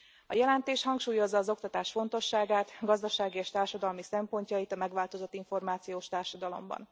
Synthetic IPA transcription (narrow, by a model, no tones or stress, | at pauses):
ɒjɛlɛnt̪eːʃhɒŋkʃuːjo̞zːɒːzo̞k̚t̪ɒt̪aːʃfo̞n̪t̪o̞ʃːaːɡaːt̪ɡɒzd̪ɒʃaːɡieːʃt̪aːrʃɒd̪ɒlmisɛmpo̞ɲcɒjit̪ɒmɛɡʋaːlt̪o̞zo̞t̪ːiɱfo̞rmaːt̪sijoːʃt̪aːrʃɒd̪ɒlo̞̰mbɒ̰n